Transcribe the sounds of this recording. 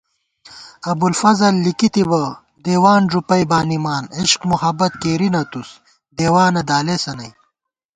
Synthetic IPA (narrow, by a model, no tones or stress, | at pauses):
ɐbulfɐzɐlːikit̪ibɐ | d̪eːwaːnʐupɐjbaːnimaːniɕkmuhɐbɐt̪̚keːɾinɐt̪us | d̪eːwaːnɐd̪aːlesɐnɐj